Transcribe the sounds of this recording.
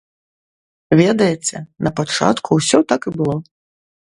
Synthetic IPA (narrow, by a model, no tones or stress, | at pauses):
vʲɛd̪ɐjɛt͡sʲɛnɐpat͡ʂa̰t̪kʰuwsʲɔt̪akɨbɨlˠɔ